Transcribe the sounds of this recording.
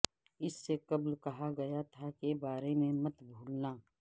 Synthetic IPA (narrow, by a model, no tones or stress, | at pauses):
ɪsːekɐblkɐɦaɡɐjat̪ʰakebaːɾemẽmɐt̪bʱuːlnaː